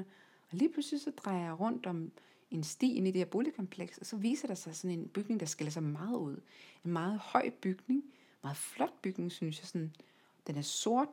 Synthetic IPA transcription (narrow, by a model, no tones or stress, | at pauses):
ɒ̽liːpʰluslisɒ̽d̥ʁɑ̈ɪɐjɑʁɔ̽n̰d̥ɒ̽m | e̝nsd̥ḭːenede̥eɐ̰b̥o̝ːlikʰɒ̽mpʰleɡ̥sɒ̽sɒ̽ʋḭːsɐɾ̥ɑ̈sɑ̈ɪsɒ̽ne̝nb̥yɡ̥ne̝ŋd̥ɑ̈sɡ̥elɐs̬ɑ̈ɪmɑ̈ːð̞̩ˠuð̞̰ˠe̝nmɑ̈ːð̞̩ˠhɒ̽ɪ̰b̥yɡ̥ne̝ŋ | mɑ̈ːð̞̩ˠflɒ̽d̥̚b̥yɡ̥ne̝ŋsynsjɑ̈ɪsɒ̽n | d̥enæɐso̝ɐ̰d̥